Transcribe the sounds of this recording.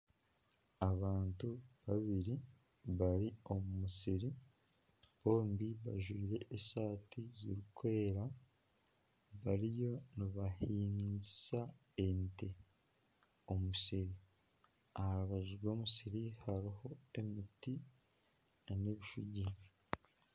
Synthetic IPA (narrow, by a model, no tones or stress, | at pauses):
aβaːntuβaβiɾi | βaɾio̞mumusiɾi | βo̞ːmbiβa̰ʒwiːɾe̞ʔːsaːtʰiziɾikʰwe̞ɾa | βaɾijo̞niβahiːɲɟisa | ente | omusiɾi | ahaɾuβaʒiɾɡo̞ːmusiɾihaɾiho̞e̞miti | naneβiʃuɟi